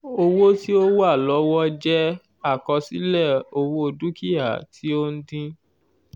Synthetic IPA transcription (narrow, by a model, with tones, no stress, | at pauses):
o˧wo˦ti˦o˦wo˦a˦˨lɔ˨˦wɔ˦d͡ʒɛ˦ | a˦˨kɔ˧si˨˦lɛ˦˨o˧wo˦o˧du˦ki˦a̰˦˨tʰi˦o˦n̩˦dĩ˦